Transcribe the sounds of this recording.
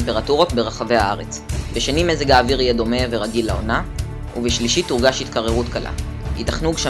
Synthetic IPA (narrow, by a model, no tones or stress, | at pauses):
mpeʁatuʁo̞tbe̞ʁaχave̞haaʁe̞t͡sbeʃenimezeɡaːviʁijedo̞me̞ve̞ʁaɡilaona | uveʃliʃituʁɡaʃhit̪kaʁeʁutkalʔa̰ | hḭtaχnuɡʃa